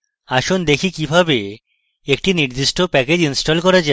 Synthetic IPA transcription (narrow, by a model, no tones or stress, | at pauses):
aʃond̪ekʰikibʱabe | ekʈiniɾd̪iʃʈopɛked͡ʑinsʈolkɔɾad͡ʑa